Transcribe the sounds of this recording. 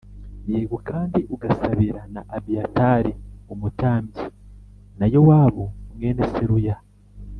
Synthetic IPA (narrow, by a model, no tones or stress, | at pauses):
jeːɡokaːndiʔuɡasaβiɾanaʔabiataːɾiumutaːmbi | najo̞waːβomŋe̞ːneseɾuja